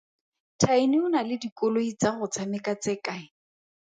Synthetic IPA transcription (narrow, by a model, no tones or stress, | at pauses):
tʰainɪʊnalɪdikʼʊloit͡saχʊt͡sʰamɪkat͡sɪkaɪ